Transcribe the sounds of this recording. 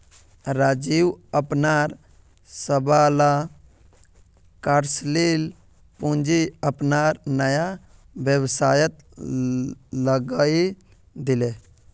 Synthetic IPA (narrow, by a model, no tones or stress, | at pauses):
ɾad͡ʒiwəpnaːɾ | səbala | kaɾsliːl | pũnd͡ʒiəpnaɾnəja | ʋjəwsaːjət̪ | ləɡai | d̪ɪle